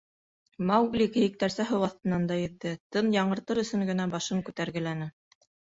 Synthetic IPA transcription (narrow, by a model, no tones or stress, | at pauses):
mɑwɡlʲikɘ̆jɘ̆k̚t̪æɾsæɦɤwɑθt̪ɤ̆nːɑnd̪ɑjɘ̆ðːɘt̪ɤnjɑɴɤ̆ɾt̪ɤɾɵ̆sɵŋɡɘ̆næbɑʃɤŋkʉt̪æɾɡɘ̆lænɘ